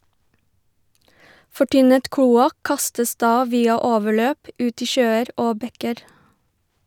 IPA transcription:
fɔˈʈʏnət ˈkluːɑk ˈkɑstəs ˈdɑː ˈʋiːɑ ˈoːʋəˌɭøːp ˈʉːt ˈiː ˈʃøːəɾ ˈoː ˈbɛkəɾ

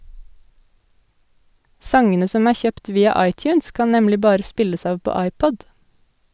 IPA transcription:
ˈsɑŋənə ˈsɔm ˈæː ˈçøːpt ˈʋiːɑ ˈɑɪˌtjʉːns ˈkɑn ˈnɛmlɪ ˈbɑːɾə ˈspɪləs ˈɑːʋ ˈpoː ˈɑɪˌpɔd

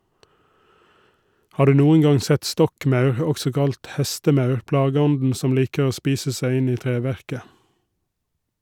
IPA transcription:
ˈhɑː ˈɖʉː ˈnuːən ˈɡɑŋ ˈsɛt ˈstɔkˌmɑʉɾ ə ˈɔɡsɔ ˈkɑlt ˈhɛstəˌmɑʉɾ ˈplɑːɡəˌɔndn̩ ˈsɔm ˈliːkə ˈoː ˈspiːsə ˈsæɪ ˈɪn ˈiː ˈtɾeːˌʋæɾkə

